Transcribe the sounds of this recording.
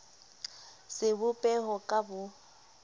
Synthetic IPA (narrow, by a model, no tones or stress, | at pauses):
sɪbʊpʼɛhɔkʼabʊ